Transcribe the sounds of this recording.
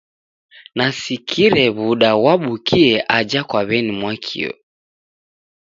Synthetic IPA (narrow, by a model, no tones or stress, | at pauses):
nasikʰiɾɛβuɗawaɓukʰiɛʔad͡ʒakwaβɛnimwakʰḭɔ̰